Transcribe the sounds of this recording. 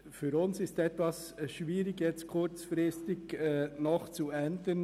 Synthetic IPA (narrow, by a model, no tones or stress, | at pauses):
fyːɾʊnsɪstɛt̪ʋɑs | ʃʋiːɾɪɡjɛt͡stkʰʊɾt͡sfɾɪstɪɡɛnɔχt͡suɛnd̪ən